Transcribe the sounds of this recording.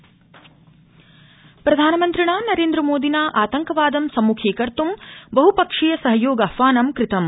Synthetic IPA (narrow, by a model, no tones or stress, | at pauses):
pɾɐd̪ʱaːnɐmɐnt̪ɾiɳaːnɐɾeːnd̪ɾɐmoːd̪inaːʔaːt̪ɐŋkɐʋaːd̪ɐmsɐmːukʰeːkɐɾt̪umbɐɦupɐkʂijɐsɐɦɐjoːɡɐfaːnɐmkɾɪt̪ɐm